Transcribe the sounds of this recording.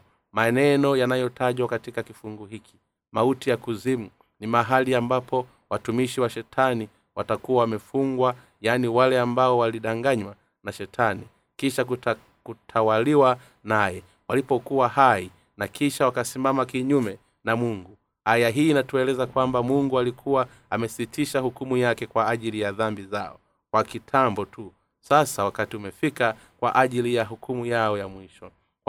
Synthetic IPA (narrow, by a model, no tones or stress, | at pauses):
manɛnɔjanajɔtʰaʄwakatikakifuŋɡuɦikʰi̥ | mautijakuzimu | nimaɦaliambapʰɔ | watumiʃiwaʃɛtʰani | watakuawamɛfuŋɡwa | janiwalɛambaɔwaliɗaŋɡaɲwa | naʃɛtʰani | kiʃak | kutʰawaliwa | najɛ | walipɔkuwahai | nakiʃawakasimamakiɲumɛ | namuŋɡu | ajaɦiːnatuɛlɛzakwambamuŋɡualikʰuwa | amɛsitʰiʃahukumujakɛkwaːʄilijaðambizaɔ̰ | kwakitʰambɔtu | sasawakatiumɛfika | kwa̰ʔaʄilijaɦukʰumujaɔjamwiʃɔ